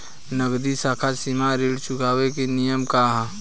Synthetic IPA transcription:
nəɡd̪isaːkʰasimaɾiɽt͡ʃʊkaːwekenijəmkaɦ

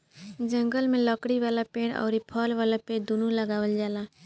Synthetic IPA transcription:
d͡ʒə̃ŋɡəlmẽlɔːkɽiʋaːlapẽːɽɔ̰ːɾipʰɔːlʋaːlapẽːʈd̪unuləɡaːwəld͡ʒaːlaː

